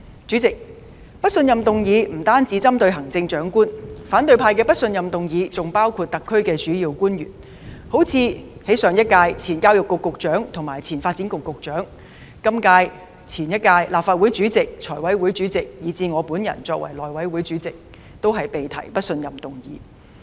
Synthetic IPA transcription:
t͡ʃy˨˥t͡sɪ˨k̚ | pɐ˥t̚sɵ˧njɐ˨mt̪ʊ˨ŋjiː˨˧m̩˨˩t̪aː˥nt͡si˨˥t͡sɐ˥mt̪ɵ˧ɥɦɐ˨˩ŋt͡sɪ˧ŋt͡ʃœː˨˥ŋkuː˥nfaː˨˥nt̪ɵ˧ɥpʰaː˧jkɛː˧pɐ˥t̚sɵ˧njɐ˨mt̪ʊ˨ŋjiː˨˧t͡sʊ˨ŋpaː˥wkʰuː˧t̚t̪ɐ˨kʰːɵ˥ɥkɛː˧t͡ʃyː˨˥jiː˧wkuː˥njy̰ː˨˩n | ho˨˥wt͡sʰiː˨˧he˨˥sœː˨ŋjɐ˥t̚kaː˧jt͡sʰiː˨˩nkaː˥wjʊ˨kːʊ˨kːʊ˨k̚t͡ʃœː˨˥ŋt̪ʰʊ˨˩ŋmaː˨˩jt͡sʰiː˨˩nfaː˧t̚t͡si˨˥nkʊ˨kːʊ˨k̚t͡ʃœː˨˥ŋ | kɐ˥mkaː˧j | t͡sʰiː˨˩njɐ˥t̚kaː˧jlaː˨˩pfaː˧t̚wu˨˥jt͡ʃyː˨˥t͡sɪ˨k̚t͡ʃʰɔː˨˩wɐ˨˥jwu˨˥jt͡ʃyː˨˥t͡sɪ˨k̚jiː˨˧t͡siː˧ŋɔː˨˧puː˨˥njɐ̰˨˩nt͡sɔː˧kwʔɐ̰˨˩jlɔː˨˩jwɐ˨˥jwuː˨˥jt͡ʃyː˨˥t͡sɪ˨k̚ | t̪o˥wɦɐ˨jpe˨jt̪ʰɐ̰˨˩jpɐ˥t̚sɵ˧njɐ˨mt̪ʊ˨ŋjḭː˨˥

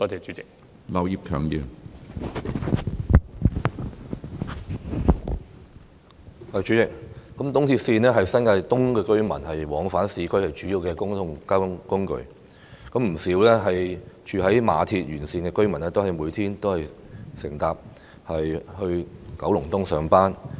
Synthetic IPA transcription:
t̪ɔː˥tɛː˨˩t͡ʃyː˨˦t͡sɪ˨k̚ | lɐ˨wji˨p̚kʰœː˨˩ŋji˨˧ | hɐ˨˩t͡ʃyː˨˥t͡sɪ˨k̚kːɐ˨˥mt̪ʊ˥ŋt̪ʰiː˧t̚siː˧nɛː˥ɦɐ˨jsɐ˥nka˧jt̪ʊ˥ŋkɛː˧kɵ˥ɥmɐ˨˩nhɐ˨jwɔː˨˥ŋfaː˨˥nsiː˨˥kʰɵ˥ɥhɐ˨˩jt͡ʃyː˨˥jiː˨˧wkɛː˧kʊ˥ŋʊ˥ŋkaː˥kʊ˥ŋkɵ̰˨˧ɥ | kɐ˨˥mm̩˨˩siː˨˥wlɛː˥ɦɐ˨jt͡ʃʰyː˨ɦɐ˨˥jmaː˨˧t̪ʰiː˧t̚jyː˨˩nsiː˧nkɛː˧kɵ˥ɥmɐ˨˩nɛː˥t̪o˥whɐ˨jmuː˨˧jt̪ʰiː˥nt̪o˥whɐ˨jsɪ˨˩ŋt̪aː˨p̚ | hɐ˨jhɵ˧ɥkɐ˨˥wlʊ˨˩ŋt̪ʊ˥ŋsœː˨˧ŋpaː˥n

